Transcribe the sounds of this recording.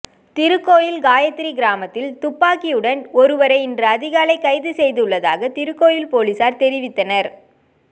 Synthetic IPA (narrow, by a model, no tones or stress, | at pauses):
t̪ɪɾɯkːoːjɪlɡaːjɐt̪ːɪɾiɡɪɾaːmɐt̪ːɪlt̪ʊpːaːkɪjɯɽɐnɔɾɯʋɐɾɐɪɪndrɐɐðɪɣaːlɐɪkɐɪðɯsɛjðɯɯɭːɐðaːɣɐt̪ɪɾɯkːoːjɪlpoːliːsaːɾt̪ɛɾɪʋɪt̪ːɐnɐɾ